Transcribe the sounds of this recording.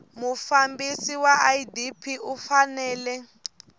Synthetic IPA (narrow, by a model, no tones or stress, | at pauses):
mufambisiwaaidipʰiufanɛːlɛ